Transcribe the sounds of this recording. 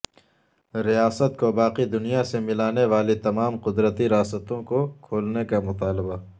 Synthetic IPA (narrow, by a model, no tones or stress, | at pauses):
ɾijaːsət̪kobaːqid̪ʊnijasemɪlaːneʋaːlit̪ɐmaːmqʊd̪ɾət̪iɾjaːsət̪õkokʰoːlnekamʊt̪aːlɪba